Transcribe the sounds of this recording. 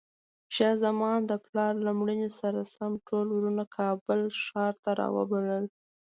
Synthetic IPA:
ʃɑzamɑnd̪əplɑɾlamɽinesaɾasamʈolwɾunakʰɑbəlʃɑɾt̪aɾɑ̰wə̰baləl

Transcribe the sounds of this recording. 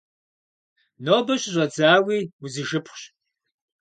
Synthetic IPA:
noːbɐɕʼɪɕʷʼɐd͡zaːwiːwuzɨʒɨpʰχʷɕ

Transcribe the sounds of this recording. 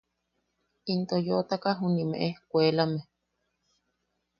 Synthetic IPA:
int̪ojot̪akaɦunimḛʔehkʷeːlame

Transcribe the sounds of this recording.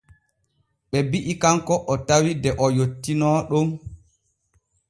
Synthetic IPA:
ɓɛbiʔikaŋkɔʔɔtawidɛʔɔjotːinɔɗum

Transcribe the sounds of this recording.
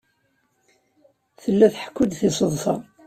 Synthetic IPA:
θəlːæθħkːʊd̪θɪsˤəðˤfɑ

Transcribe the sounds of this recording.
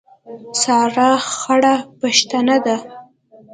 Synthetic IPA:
sɑɾaxaɽapaʃt̪anad̪a

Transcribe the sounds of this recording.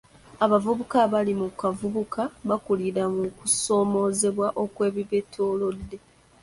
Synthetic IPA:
aβavuβukaβalimukavuβukaβakuliɾamukuso̞ːmo̞ze̞βwaʔo̞kwe̞ːβiβetʰoːlo̞dːe̞

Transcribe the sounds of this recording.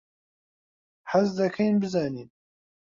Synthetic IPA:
ħazd̪ɐkʰɐjnbɨzaːniːn

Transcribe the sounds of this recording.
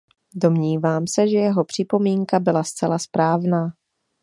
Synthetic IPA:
do̞mɲiːvaːmsɛʒɛjɛɦo̞pr̝̥ɪpo̞miːŋkabɪlast͡sɛlaspɾaːvnaː

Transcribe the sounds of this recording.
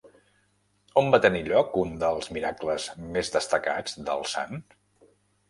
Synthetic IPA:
ombat̪əniʎɔkund̪əlˠzmiɾakləzmezd̪əst̪əka̰d͡zd̪ə̰lˠsa̰n

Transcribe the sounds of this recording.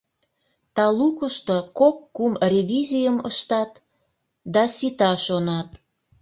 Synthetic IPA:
t̪ɑlukəʃt̪okokːumrʲevʲizijəməʃt̪ɑt̪ | d̪ɑsit̪ɑʃonɑt̪

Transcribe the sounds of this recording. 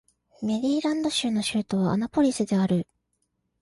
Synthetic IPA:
me̞ɾʲiːɾãnd̪o̞ɕɨːno̞ɕɨːt̪o̞β̞a̰ːnapo̞ɾʲisɨd̪e̞aɾɯ̟

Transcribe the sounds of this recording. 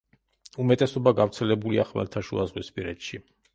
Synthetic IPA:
umɛt̪ʼɛsɔbaɡavɾt̪sʰɛlɛbuliaχmɛ̰lt̪ʰaʃṵazʁwispʼiɾɛt̪ʃi

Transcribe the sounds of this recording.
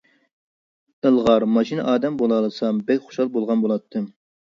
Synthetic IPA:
əlˠʁɑɾmɑʃinɨ̰ʔɑːd̪ɛmbolˠɑlˠɨsɑmbɛkʲχo̥ʃɑlˠbolˠʁɑnbolˠɑt̪ʰːɨm

